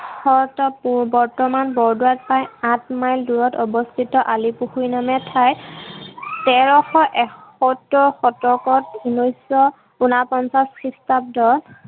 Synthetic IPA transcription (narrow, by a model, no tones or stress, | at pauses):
xɔtɔpubɔɹtɔmanbɔɹduwat̚pajãtmajlduɹɔtɔbɔstʰitɔʔalipuxujnamɛtʰaj | tɛɹɔxɔʔɛkɔtɔxɔtɔkɔt̚bʱinɔjsɔ | unapɔnsaskʰɹistap̚dɔɹ